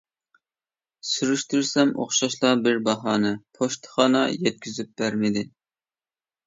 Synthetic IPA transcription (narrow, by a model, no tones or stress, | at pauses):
syɾyʃt̪yɾsɛmʔo̰χʃɑʃlˠɑbɪɾbɑɦɑːnɨpʰoʃt̪ʰə̥χɑːnɑjɛt̪̚kʲʰyzyp̚b̥æɾmɪd̪ɪ